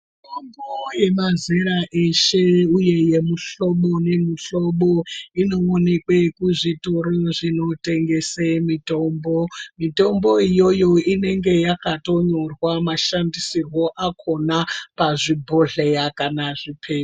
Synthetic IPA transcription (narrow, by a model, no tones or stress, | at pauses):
itomboje̞mazeɾaʔeʃe̞uje̞je̞muɬo̞ɓo̞ne̞muɬo̞ɓoino̞ːne̞kwe̞kuʐituɾiʐino̞te̞ŋɡe̞semito̞mbo̞mito̞mbo̞ijo̞jo̞ine̞ŋɡe̞jakato̞ɲo̞rwamaʃandisirwo̞ʔakʰo̞napaʐibʱoɮejakanaʐipʰeː